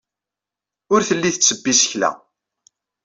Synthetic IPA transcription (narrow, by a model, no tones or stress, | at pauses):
ʊɾθəlːiθət͡sːəbːisəçlæ̰